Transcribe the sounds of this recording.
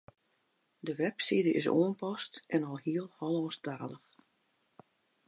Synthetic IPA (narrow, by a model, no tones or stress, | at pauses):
dəʋɛpsidəʔɪ̰s̬o̰ənpɔstʔɛnɔlˠhiəlˠhɔlˠɔːstaːləx